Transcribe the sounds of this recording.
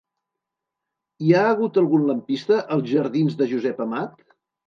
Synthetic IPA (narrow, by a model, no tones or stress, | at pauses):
iaəɣ̞ut̪əlˠɣunləmpist̪əʔəlˠzʒəɾðinzðəʒuzɛpəmat̪